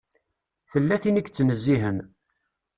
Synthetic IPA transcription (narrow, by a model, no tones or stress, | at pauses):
θəlːæθinikːt͡sːnəzːiɦən